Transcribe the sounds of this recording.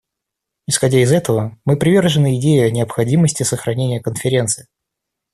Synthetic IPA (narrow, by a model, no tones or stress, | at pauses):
ɪsxɐdʲæɪzɛt̪əvəmɨpɾʲɪvʲe̞rʐɨnɨɪdʲejɪɐnʲɪəpxɐdʲiməsʲtʲɪsəxɾɐnʲenʲɪjəkənfʲɪɾʲe̞nt̪sɨjɪ